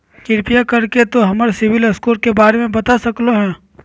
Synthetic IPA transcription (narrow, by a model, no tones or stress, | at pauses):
kɪɾpijakɐɾket̪oɦɐməɾsɪʋɪlɐskuːɾkebaːɾemẽbɐt̪asɐkloɦɛ̃ː